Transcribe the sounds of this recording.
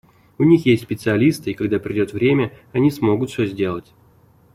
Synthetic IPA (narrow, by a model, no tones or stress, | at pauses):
ʊnʲixjesʲtʲsʲpʲɪt̪sɨɐlʲist̪ɨɪkaɡd̪apɾʲɪdʲo̞t̪vɾʲemʲə | ɐnʲismo̞ɡʊt̪fʲozʲdʲe̞lˠətʲ